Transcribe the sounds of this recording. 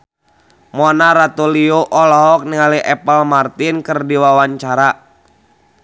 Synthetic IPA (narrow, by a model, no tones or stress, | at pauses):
mɔnaɾat̪ulioʔɔlɔɦɔk̚niŋaliʔɛpəlmart̪inkɨrdiwawaɲt͡ʃaɾa